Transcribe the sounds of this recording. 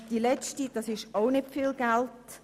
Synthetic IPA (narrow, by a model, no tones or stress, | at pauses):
d̥ilɛt͡ʃtid̥ɑsɪʃoʊnɪpfiːlɡ̥ælt